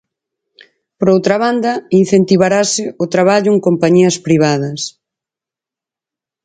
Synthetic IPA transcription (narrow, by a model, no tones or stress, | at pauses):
pɾowt̪ɾaβand̪ɐin̟θent̪iβaɾasɪʊt̪ɾaβ̞aʎʊeŋkompaɲiɐspɾiβ̞aðɐs